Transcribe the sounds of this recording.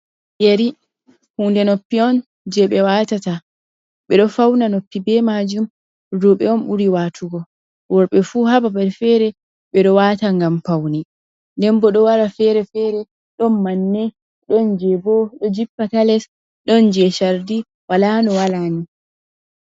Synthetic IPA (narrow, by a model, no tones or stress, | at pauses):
jeɾi | huːndɛnopːiɔn | d͡ʒɛɓɛwatata | ɓɛɗɔfawnanopːibɛmad͡ʒum | ɾuɓɛɔnɓuɾiwatʰuɡɔ | wɔɾɓɛfuhababaɾfɛɾɛ | ɓɛɗɔwataŋɡamfawni | ndɛmbɔɗɔwaɾafɛɾɛfɛːɾɛ | ɗɔnmanːɛ | ɗɔnd͡ʒɛbɔɗɔd͡ʒipːatalɛs | ɗɔnd͡ʒɛʃaɾdi | walanɔwalani